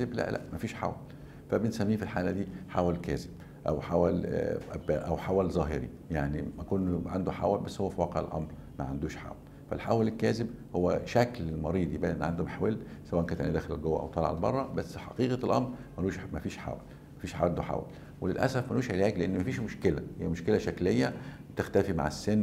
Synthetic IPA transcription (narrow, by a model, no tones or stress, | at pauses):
eblæ̰ʔlʔæ̰ʔmæfiːʃħa̰wæ̰l | fæbensæmːiːfilħaːlæd̪iːħaːwælkæːzeb̥ | ʔæ̰wħawælʔæbæʔæwħawælzˤɑːɦḛɾḭ | jaʕnimækonːʕand̪oħa̰wælbæsːhowːæfiwɑːqeʕḛlʔɑ̰mɾ | mæ̰ʕand̪uːʃħa̰ːwæl | fæ̰lħawælelkːæːzebhowːæʃæklelmɑɾiːd̪ebʔæʔenːʕand̪omeħwelsæwæːʔnkænet̪ʔenid̪æːxelelɡowːæʔæ̰wt̪ˤɑlɑ̰ʕa̰lbɑ̰rˤːɑbæsːħɑ̰qiːqɑlʔɑmɾmænuːʃmæfiːʃħa̰ːwæ̰l | mæfiːʃħa̰ænd̪oħa̰wæ̰l | welelʔæ̰sæfmænuːʃʕelæːɡleʔenːmæfiːʃmoʃkelæhijːæmoʃkelæʃæklejːæ | t̪ext̪æfima̰ʕesːenː